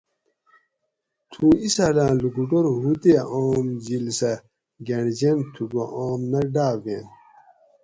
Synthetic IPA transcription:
t̪ʰuːisalãːluɡuʈoɾɦut̪eʔoːmd͡ʑilsɐ | ɡeɳd͡ʑent̪ʰuɡoʔoːmnɐɖaːven

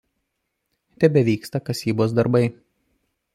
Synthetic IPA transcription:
t̪ʲɛbʲɛʋʲiːkst̪ɐkɐsʲiːboːs̬d̪ɐɾbɐɪ

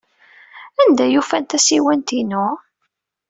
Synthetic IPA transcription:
ænd̪æjufænt̪æsiwænt̪inʊ

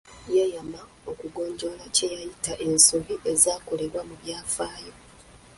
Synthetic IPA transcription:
jejama | o̞kuɡo̞ːɲɟo̞lacejajitaʔe̞nsuviʔe̞zaːkole̞ɾwamuβjaːfaːjo

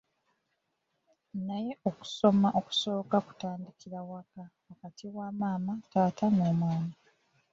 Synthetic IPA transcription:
naje̞ʔo̞ku̥so̞maʔo̞ku̥so̞ːkaku̥taːndikiɾawakaːkatʰiwamaːmataːtʰanoːmwaːna

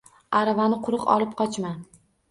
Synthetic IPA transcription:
aɾavanɪqʰʊɾɨqɒ̰lˠɪp̚qʰɒt͡ʃma

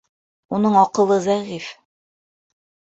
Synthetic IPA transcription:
unɤɴɑqɤ̆lˠɤzæʁif

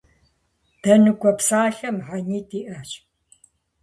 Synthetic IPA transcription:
d̥ɐnukʷʼɔpsaːɬɐmħaɲiːtʰʼiʔɐɕ

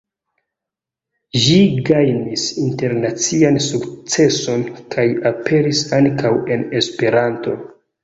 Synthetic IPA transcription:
ʒiɡajnisinte̞ɾnat͡siansukt͡se̞so̞nkʰajapʰe̞ɾisaŋkawe̞ne̞spe̞ɾanto̞

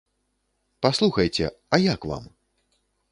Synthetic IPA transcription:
paslˠuxɐjt͡sʲɛ̰ɐjakva̰m

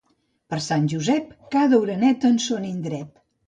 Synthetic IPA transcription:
pəɾsanʲʒuzɛpkaðəwɾənɛt̪ənsonind̪ɾɛt̪

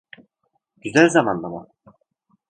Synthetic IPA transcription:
ɟ̥yzælʲzamand̪amʊ

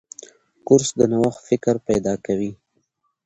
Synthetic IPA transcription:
kʊɾsd̪ənawaxfɪkɾpajd̪ɑkawi

